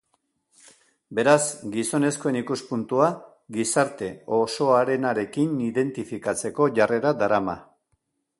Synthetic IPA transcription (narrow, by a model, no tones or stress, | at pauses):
be̞ɾazɡiso̞ne̞sko̞e̞nikuspunt̪ua | ɡisaɾt̪e̞o̞so̞aɾe̞naɾe̞kiniðe̞nt̪ifikat͡se̞ko̞ʝare̞ɾad̪aɾama̰